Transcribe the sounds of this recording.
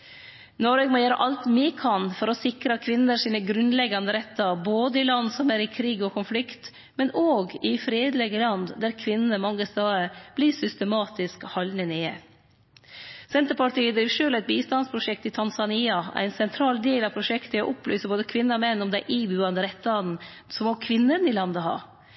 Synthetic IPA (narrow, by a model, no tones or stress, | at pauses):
nɔɾɛɡmɔjæːɾə̰ʔɑlt̪miːkʰɑnfɔɾɔsɪkɾəkʰʋɪnːəʂiːnəɡɾʉnlɛɡːɑnd̪əɾɛt̪ːɑboːd̪əɪlɑnːsɔmæɾɪkʰɾiːɡɔkʰʊnflɪkt̪ | mɛnoːɡɪfɾeːd̪lɛɡəlɑnd̪d̪æɾkʰʋɪnːnəmɑŋːəst̪ɑːəb̥liːʂʏst̪əmɑːt̪ɪskhɑlnəneːə | sɛnt̪əɾpɑʈiːəd̪ɾiːʋʂøːlæɪt̪̚biːst̪ɑnspʰɾʊʂɛk̚t̪ɪt̪ʰɑnsɑniːɑæ̰ɪnsɛnt̪ʰɾɑːld̪eːlɑʋpʰɾʊʂɛkt̪əɔ̰ʔʊply̰ːsəboːd̪əkʰʋɪnːəɔmɛnːɔmd̪æɪʔiːbʉɑnd̪əɾɛt̪ːən̩ | sɔmɔkʰʋɪnːənɪlɑnd̪əhɑ̰ː